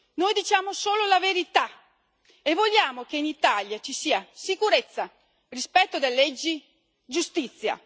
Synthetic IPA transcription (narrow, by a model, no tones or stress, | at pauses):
nojd̪it͡ʃaːmosoːlolaveɾit̪a | evːoʎːaːmokeinit̪aljat͡ʃisiːasikuɾet̪sːa | rispɛt̪ːod̪elːɛd͡ʒːi | d͡ʒust̪it̪sːja̰